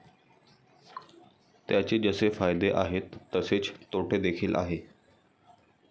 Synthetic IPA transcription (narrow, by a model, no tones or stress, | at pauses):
t̪jat͡ɕed͡zəsefajd̪eʔaɦet̪ːəset͡st̪oʈʰed̪ekʰiːlʔa̰ɦe